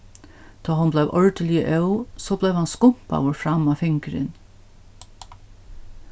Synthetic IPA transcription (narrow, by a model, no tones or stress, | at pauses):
d̪̥ɑːɦʊnblɛʋʔɔɹd̪əlɪə̰ʔœʊsoːblɛʋhanskʊm̥pa̰wəɹfɾamaːfɪŋkəɾɪ̰n